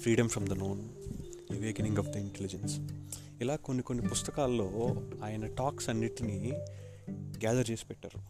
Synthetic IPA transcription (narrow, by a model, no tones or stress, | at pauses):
pʰɾiːɖɐmfɾɐmd̪ɐnoːn | ɐʋeːkɐnĩŋɡɐfd̪ɐiɳʈelid͡ʒens | ilaːkonːiko̞nːipust̪ɐkaːlːo̞ːaːjɐnɐʈaːksɐnːiʈini | ɡaːd̪ɐɾt͡ʃe̞ːsi̥pɛʈːa̰ːɾu